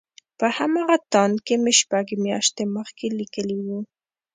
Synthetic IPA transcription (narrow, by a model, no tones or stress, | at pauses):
pəhamɑɣat̪ɑnd̪kemeʃpaɡmjɑ̰ʃt̪eməxkelikəliwu